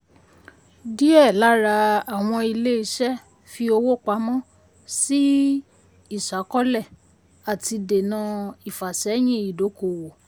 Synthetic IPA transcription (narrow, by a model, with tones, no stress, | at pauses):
di˦ɛ˦˨la˨˦ɾa˧a˨w̃ɔ̃˧i˧le˦i˧ʃɛ˦ | fi˧o˧wo˦˨k͡pa˧˦mɔ̃˦ | si˦ | i˦˨ʃa˨˦kɔ˦lɛ˦˨ | a˨ti˧de˨nã˧˦i˨fa˨ʃɛ˨˦j̃ĩ˦i˨do˨˦ko˨wo˨